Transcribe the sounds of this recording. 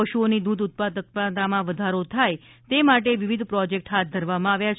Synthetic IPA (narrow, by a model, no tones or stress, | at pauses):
əʃuonid̪ud̪ʊt̪̚pad̪əkpat̪amãʋəd̪ʱaɾot̪ʰaj | t̪emaʈeʋiʋid̪ʱpɾɔd͡ʒek̚ʈɦat̪̚d̪ʱəɾʋamãaʋjat͡ʃʰ